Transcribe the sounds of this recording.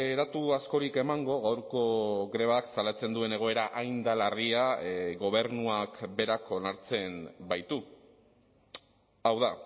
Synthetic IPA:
eðat̪uasko̞ɾike̞maŋɡo̞ɣawɾko̞ɣɾe̞β̞aksalat͡se̞nd̪ue̞ne̞ɣ̞o̞e̞ɾaʔajnd̪alariaɣo̞β̞e̞ɾnuakbe̞ɾakʰo̞naɾt͡se̞mbajt̪u | awða

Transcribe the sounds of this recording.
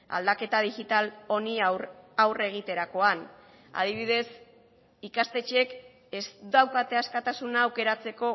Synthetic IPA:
a̰ld̪ake̞t̪að̞ixit̪alo̞niawre̞ɣ̞it̪e̞ɾako̞an | a̰ðiβ̞iðe̞s | ikast̪e̞t͡ʃek | esd̪awkat̪e̞askat̪asunaːwke̞ɾat͡se̞ko̞

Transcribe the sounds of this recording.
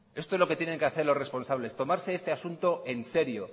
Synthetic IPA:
est̪oezlo̞ket̪jeneŋkeaθe̞ɾlo̞sre̞spo̞nsaβ̞le̞st̪o̞maɾse̞est̪e̞asunt̪o̞ʔe̞nse̞ɾjo̞

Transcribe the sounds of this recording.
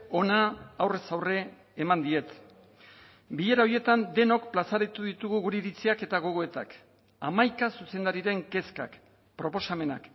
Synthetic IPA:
o̞naːwre̞sawre̞ː | mand̪ie̞t̪ | biʎe̞ɾao̞ɾje̞t̪and̪e̞no̞kplasaɾat̪uðit̪uɣuɣuɾeiɾit͡siake̞t̪aɣ̞o̞ɣ̞o̞e̞t̪a̰k | a̰majkasuse̞nd̪aɾiɾe̞ŋke̞ska̰k | pɾo̞po̞same̞na̰k

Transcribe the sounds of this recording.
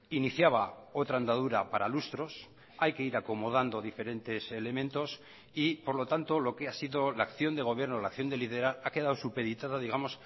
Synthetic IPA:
iniθjaβao̞t̪ɾaend̪aðuɾapaɾalust̪ɾo̞s | ajke̞iɾako̞mo̞ð̞and̪o̞ðife̞ɾe̞nt̪e̞se̞le̞mẽ̞nt̪o̞s | ipo̞ɾlo̞t̪ant̪o̞lo̞ke̞asiðo̞laːkθjo̞nd̪e̞ɣ̞o̞β̞je̞ɾno̞laːkθjo̞nd̪e̞liðeɾaake̞ðawsupe̞ðit̪aðaðiɣamo̞s

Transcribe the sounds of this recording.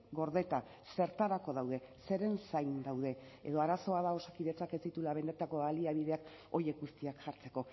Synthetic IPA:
ɡo̞ɾðe̞t̪a | se̞ɾt̪aɾako̞ðawð̞e̞se̞ɾe̞nsajnd̪awð̞e̞eðo̞aɾaso̞aðao̞sakiðe̞t͡sake̞zit̪ulaβe̞nd̪et̪ako̞βaliaβ̞iðe̞ak | o̞je̞kɡust̪iakʝaɾt͡se̞ko̞

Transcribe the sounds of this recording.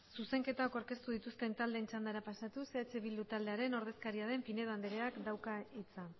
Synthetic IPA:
suse̞ŋke̞t̪akoɾke̞st̪uðit̪ust̪e̞nt̪ald̪e̞ːnt͡ʃand̪aɾapasat̪useat͡ʃe̞βild̪ut̪ald̪e̞aɾe̞no̞ɾð̞e̞skaɾiaðe̞mpine̞ðand̪eɾeakd̪awkait͡sa

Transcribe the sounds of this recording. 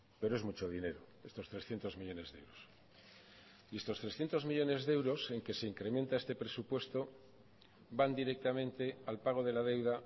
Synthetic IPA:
pe̞ɾoe̞zmut͡ʃo̞ð̞ine̞ɾo | e̞st̪o̞st̪ɾe̞sθje̞nt̪o̞zmiʎo̞ne̞zðe̞̰wɾos | ie̞st̪o̞st̪ɾesθje̞nt̪o̞zmiʎo̞ne̞zðe̞wɾo̞se̞ŋke̞se̞iŋkɾemẽ̞nt̪aest̪e̞pɾe̞supwe̞st̪o̞ | band̪iɾe̞k̚t̪amẽ̞nt̪e̞alpaɣ̞o̞ð̞e̞laðe̞wða

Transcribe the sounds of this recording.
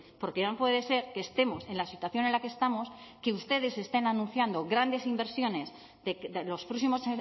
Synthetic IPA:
poɾkenompwe̞ðe̞se̞ɾkeːst̪e̞mo̞se̞nlasit̪waθjo̞nenlakest̪amo̞skeust̪e̞ðe̞se̞st̪e̞nanũn̟θjand̪o̞ɣɾand̪e̞simbeɾsjo̞ne̞z | d̪eelo̞spɾosimo̞se

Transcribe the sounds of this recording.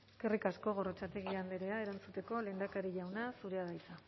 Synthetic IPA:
skerikasko̞ɣ̞o̞rot͡ʃat̪e̞ɣ̞iand̪eɾe̞ae̞ɾant͡sut̪e̞ko̞le̞ːnd̪akaɾiʎawnasuɾe̞aðajt͡sa

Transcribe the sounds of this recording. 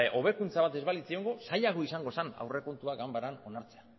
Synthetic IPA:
ʔo̞β̞e̞kunt͡saβat̪e̞zβalit͡sio̞ŋɡo̞sajaɣ̞o̞isaŋɡo̞sana̰wre̞ko̞nt̪uaɡambaɾano̞naɾt͡se̞a

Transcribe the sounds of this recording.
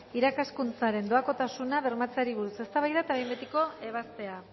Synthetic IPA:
iɾakaskunt͡saɾe̞nd̪o̞ako̞t̪asunaβe̞ɾmat͡seaɾiβuɾuse̞st̪aβajðat̪aβejmbet̪iko̞e̞β̞ast̪e̞a

